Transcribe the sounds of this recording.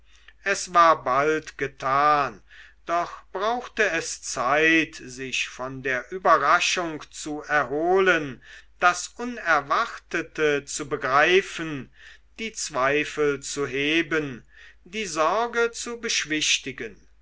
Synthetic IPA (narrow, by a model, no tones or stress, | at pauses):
ʔɛsv̥aːɐbaltɡ̥ətʰaːnd̥ɔχb̥ʁaʊxtəɛst͡saɪtzɪʃfɔndeːɐʔyːbɐʁaʃʊŋkt͡suɛɐɦoːlənd̥asʔʊnɛɐvaʁtətət͡subəɡʁaɪfənd̥iːt͡sv̥aɪfəlt͡suɦeːbəndiːzɔɐɡət͡subəʃv̥ɪʃtɪɡən